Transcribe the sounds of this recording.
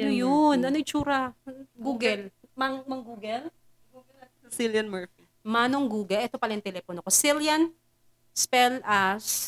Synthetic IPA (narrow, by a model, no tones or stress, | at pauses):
ojonʔɐnoɪt͡ʃuːɾɐɡuːɡɛlmɐŋmɐŋɡuːɡɛl | ɡɡ | siljɐnmɛɹfi | maːnoŋɡuːɡɐlʔɛːt̪o̞pɐlɐjɐŋt̪ɛlɛːponokosiljɐn | spɛlas